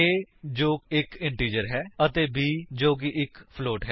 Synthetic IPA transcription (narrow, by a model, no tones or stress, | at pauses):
eːd͡ʒoːkɪkɪɳʈiːd͡ʒəɾɦɛːət̪eːbiːd͡ʒoːɡiːʔɪkpʰloːʈɦɛ